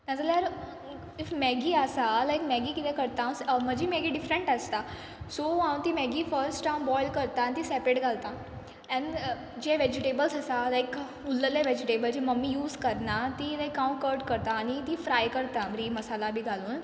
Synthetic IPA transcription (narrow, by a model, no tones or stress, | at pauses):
nad͡zaljaɾ | ifmɛɡiaəsalajkmɛɡikit̪ɛkəɾt̪ãsm̤əd͡ʑimeɡiɖifɾəɳʈəst̪a | soɦawnt̪imɛɡifəɾsʈãũbɔjlkəɾt̪aːnit̪iːsɛpɾeɽɡʱalt̪a | ɛ̃ɳ | d͡ʑeʋɛd͡ʑiʈebəlsəsalajk | ulːəleʋɛd͡ʑiʈebəld͡ʑiməmːijuːzkəɾnat̪ilajkːãw̃kəɾʈkəɾt̪aːñit̪ifɾajkəɾt̪amɾiməsalabʱiːɡʱaluːn